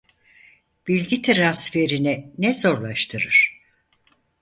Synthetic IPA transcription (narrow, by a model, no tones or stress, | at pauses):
b̥ilʲɟit̪ʰiɾansfe̞ɾininɛzo̞ɾlˠaʃt̪ʰɯɾɯɾ̥